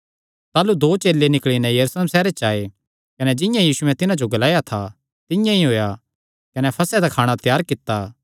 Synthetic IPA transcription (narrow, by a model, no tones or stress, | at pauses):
t̪aːlud̪oːt͡ʃeːlːenɪkɭinɛ̃jɐɾusleːmsɛːɾet͡ʃaːe | kɐnɛd͡ʒɪ̃jãjiːsuɛ̃t̪ɪnãd͡ʒoɡɐlaːjat̪ʰa̰ | t̪ɪjãiɦoːja | kɐnɛpʰɐsɛd̪akʰaːɽ̃at̪jaːɾkɪt̪ːaː